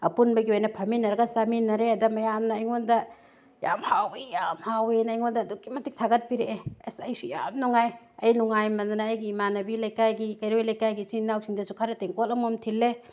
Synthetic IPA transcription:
ɐ̰punbɐɡiojnɐpʰɐminɐɾɐɡɐsaminɐɾeɐdɐmɐjamnɐːjŋondɐ | jamhawijamhawenɐjŋondɐːdukːimɐtik̚tʰaɡɐt̚piɾeeesajsuja̰mnuŋaj | ɐjnuŋajmɐndunɐːjɡimanɐbilɐjkajɡikɐjɾojlɐjkajɡisinnːawsiŋdɐsukʰaɾɐteŋkolɐmomtʰilːe

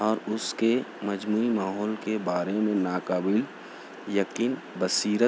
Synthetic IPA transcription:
ɔːɾʊskemɐd͡ʒmuːimaːɦɔːlkebaːɾemẽnaːkaːbɪl | jɐkiːn | bəsiːɾə

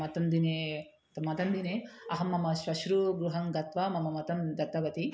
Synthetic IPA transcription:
ɐt̪ɐnd̪ineː | t̪ɐmɐt̪ɐnd̪ineːɐɦɐmːɐmɐʃʋɐʃɾuɡɾuɦɐŋɡɐt̪ʋɐmɐmɐmɐt̪ɐmd̪ɐt̪ːɐʋɐt̪i

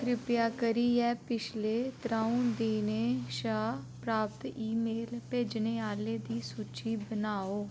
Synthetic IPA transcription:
kɾɪpjaːkəɾiːɛːpɪt͡ʃʰleːt̪ɾaːũːd̪iːneːʃaːpɾaːp̚t̪iːmeːlpeːd͡ʒneːaːleːd̪iːsuːt͡ʃiːbənaːoː

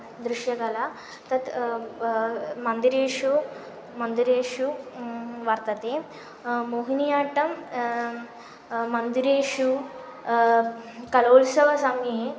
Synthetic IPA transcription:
d̪ɾuʃjɐɡɐla | t̪ɐt̪ | mɐnd̪iɾeːʂu | mɐnd̪iɾeːʂu | ʋɐɾt̪ɐt̪eː | moːɦinijaːʈɐm | mɐnd̪iɾeːʃu | kɐloːlsɐʋɐsamee

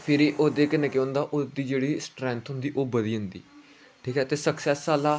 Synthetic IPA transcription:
pʰɪɾiːʔoːd̪eːkənɛkːõːnd̪aːʔod̪iːd͡ʒeːɽiːsʈɾɛ̃ːnt̪ʰɦʊ̃nd̪iːʔoːbəd̪iːɦʊ̃nd̪ḭː | ʈʰiːkɦɛːt̪eːsəksɛsːaːlaː

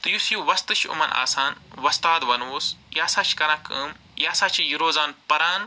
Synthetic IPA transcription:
t̪ɨjusjuʋɐst̪ɨʃʰṵmɐnʔa̰ːsaːnʋɐst̪aːd̪ʋɐnoːsjaːsat͡ʃʰkɐɾɐkʰɨ̰ːm | jaːsaːt͡ʃʰijiɾoːzaːnpɐɾaːn

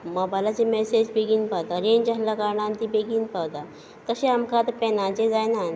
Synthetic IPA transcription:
mɔbajlat͡ɕemɛsed͡ʑbeɡiːnpat̪aɾeɲd͡ʑaɦlakaɾɳant̪ibeɡiːnpat̪a | t̪əɕẽamkat̪pɛnãt͡ɕed͡zajnan

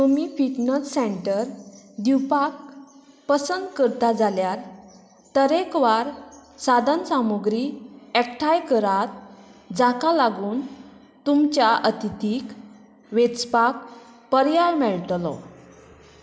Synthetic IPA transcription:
t̪umiːfiʈnəsːeɳʈəɾd̪iwpak̚ | pəsənd̪kəɾt̪ad͡zaljaɾ | t̪əɾekʋaɾsad̪ənsamoɡɾiɛk̚ʈʰajkəɾat̪̚d͡zakalaɡuːn | t̪umt͡ɕjaʔət̪it̪ik | ʋet͡spak̚pəɾjaɾmɛɭt̪lɔ̰

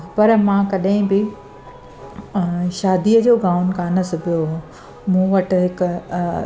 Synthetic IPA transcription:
pɐɾmãkɐɗɦɪ̃bɪ | ʃaːd̪iːəd͡ʑoːɡaːʊnkaːnəspijoɦ | mũːʋɐʈ̆ɦɪk

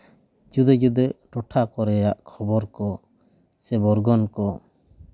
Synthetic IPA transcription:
d͡ʒud̪ɛd͡ʒud̪ɛɾɔʈʰakɔɾɛjaʔkʰɔbɔɾkɔ | sɛbɔɾɡɔnkɔ

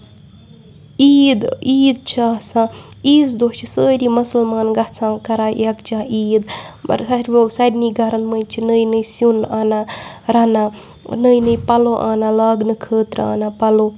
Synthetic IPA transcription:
iːd̪iːd̪̚t͡ʃʰaːsãːiːsd̪oːt͡ʃʰisəːɾʲimɐsəlmaːnɡɐt͡sʰãːkɐɾaːjɐkt͡ʃʰaːiːd̪bɐ̰ɾsɐɾʲbɐwsɐɾʲniːɡɐɾɐnmənt͡ʃʰinəjnɨjsunaːnaɾɐna | nəjnɨjpɐloːʔa̰ːnalaːɡnɨkʰəːt̪ɾa̰ːnapɐloː

